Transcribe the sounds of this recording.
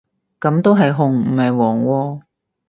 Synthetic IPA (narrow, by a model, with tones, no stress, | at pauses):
kɐ˨˥mt̪o˥wɦɐ˨jɦʊ˨˧ŋm̩˨˩hɐ˨jwɔː˨˩ŋwɔː˧